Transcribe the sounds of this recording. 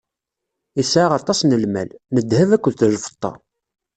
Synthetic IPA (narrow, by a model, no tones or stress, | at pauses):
isʕaʁɑt̪ˤːɑsnəlmæ̰lnəd̪hævækʷːəðθlfə̥t̪ˤːɑ̰